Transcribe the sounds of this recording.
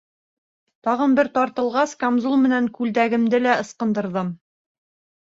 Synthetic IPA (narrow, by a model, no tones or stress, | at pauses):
t̪ɑʁɤnbɘɾt̪ɑɾt̪ɤ̆lˠʁɑskomzulˠmɘ̆næŋkʉld̪æɡɘ̆md̪ɘlæɤ̆sqɤ̆nd̪ɤ̆ɾðɤm